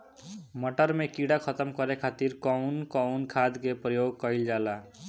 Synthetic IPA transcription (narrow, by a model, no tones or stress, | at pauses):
mʌʈʌɾmekiɽakʰʌt̪ʌmkʌɾekʰat̪iɾkʌwnkɔwnkʰad̪kepɾʌjoɡ̚kʌild͡ʒala